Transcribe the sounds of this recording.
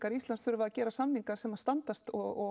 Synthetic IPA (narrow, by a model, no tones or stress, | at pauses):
kaɾist̪lansθfʏɾʏvaðacɛːɾasamniŋkḁsɛmast̪ant̪ast̪ɔɣɔ